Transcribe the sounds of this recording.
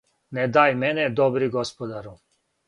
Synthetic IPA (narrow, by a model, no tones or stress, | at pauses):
ned̪aːjmened̪obɾiɡospod̪aɾu